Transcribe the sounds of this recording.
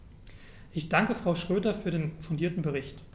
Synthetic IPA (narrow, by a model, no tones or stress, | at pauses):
ʔɪçd̥aŋkəfʁ̥aʊʃʁ̥øːdɐfyːɐɾeːnfʊndiːɐtn̩bəʁɪçt